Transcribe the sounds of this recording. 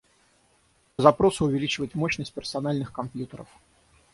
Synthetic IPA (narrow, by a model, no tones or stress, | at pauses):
əzɐpɾo̞sʊʊvʲɪlʲit͡ɕɪvəɪtʲmoɕnəsʲt̪̚ʲpʲɪrsɐnalʲnɨxkɐmpʲjut̪əɾə̰f